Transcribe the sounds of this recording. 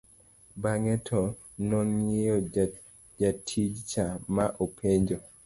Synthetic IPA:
baŋɛtʰɔ | nɔŋejɔ | d͡ʒatʰid͡ʒt͡ʃamaʔopʰeɲd͡ʒo

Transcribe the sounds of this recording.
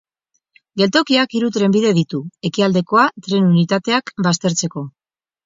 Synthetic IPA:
ɡe̞lt̪o̞kiakiɾut̪ɾe̞mbiðe̞ð̞it̪ue̞kiald̪e̞ko̞at̪ɾe̞nunit̪at̪e̞akbast̪e̞ɾt͡se̞ko̞

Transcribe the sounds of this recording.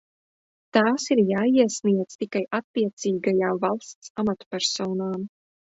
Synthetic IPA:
t̪aːsiɾjaːiɛsniɛd̪z̥t̪ikajʔat̪ːiɛt̪siːɡajaːvalˠst̪samat̪pʲɛɾsɔːnaːm

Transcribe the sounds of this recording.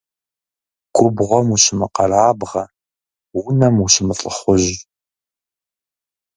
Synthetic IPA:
kʷʰʼʊbʁʷɔmuɕɪmɨqɐɾaːbʁɐ | wʊnɐmuɕɪmɨɬʼəχʷʊʑ

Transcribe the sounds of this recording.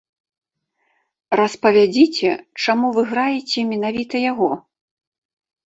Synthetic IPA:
rɐspɐvʲad͡zʲit͡sʲɛt͡ʂamuvɨɣɾajɛt͡sʲɛmʲɛnavʲit̪ɐjaɣɔ

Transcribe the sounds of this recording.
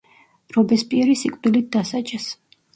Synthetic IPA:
ɾɔbɛspʼiɛɾisikʼvd̪ilit̪̚d̪asat͡ʃʼɛs

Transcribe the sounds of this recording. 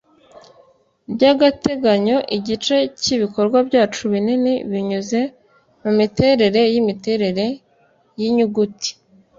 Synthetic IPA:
bɟaɡate̞ɡaɲo̞ʔiɟit͡ʃe̞ciβiko̞ɾɡwabɟaːt͡ʃuβininiβiɲuze̞ | mumite̞ːɾe̞ɾe̞jimite̞ːɾe̞ɾe̞ | jiɲuɡuti̥

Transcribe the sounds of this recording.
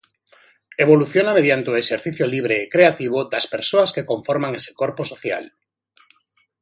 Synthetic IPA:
eβ̞oluθjonameðjant̪eoeʃeɾθiθjoliβ̞ɾeːkɾeat̪iβ̞od̪ɐspeɾsoaskekoɱfoɾmaŋese̥koɾposoθja̰l

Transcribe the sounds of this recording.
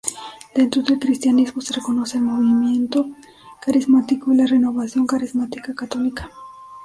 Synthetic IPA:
d̪̥e̞nt̪ɾoðe̞lkɾist̪janizmosereko̞no̞se̞ːlmo̞βimje̞nt̪o̞ | kaɾizmat̪ikoilare̞no̞βasjo̞ŋkaɾizmat̪ikakat̪o̞likḁ

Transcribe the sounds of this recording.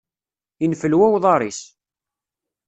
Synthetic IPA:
infəlwæwðˤɑɾˤis

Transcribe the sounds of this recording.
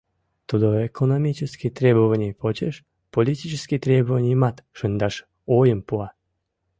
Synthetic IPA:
t̪ud̪oekʰonomʲit͡ɕəskʲit̪rʲebovənʲijpot͡ɕeʃ | polʲit̪ʲit͡ʃəskʲit̪ɾʲebovənʲijmɑt̪ʃənd̪ɑʃ | ojəmpuɑ

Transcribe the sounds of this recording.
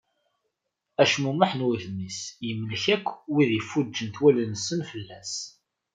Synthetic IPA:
æʃmumaħnwæθəmːisjəmːlçækʷːwiðjəfːud͡ʒːənθwælənsənfəlːæs

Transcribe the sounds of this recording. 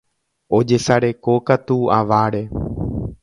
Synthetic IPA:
od͡ʒesaɾe̞kokat̪ua̰ʋaɾe

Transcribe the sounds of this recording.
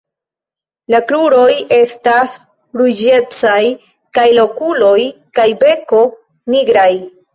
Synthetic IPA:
lakluɾo̞je̞stas | ɾud͡ʒe̞t͡saj | kajlo̞kulo̞j | kajbe̞ko̞ | niɡɾaj

